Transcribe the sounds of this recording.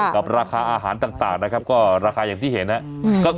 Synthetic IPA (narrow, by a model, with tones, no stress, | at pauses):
ka˨˩p̚ɾaː˧kʰaː˧ʔaː˧ɦaː˩˦nt̪aː˨˩ŋt̪aː˨˩ŋna˦˥kʰa˦˥p̚kɔː˥˩ɾaː˧kʰaː˧jaː˨˩ŋt̪ʰiː˥˩he˩˦nha˦˥kɔː˥˩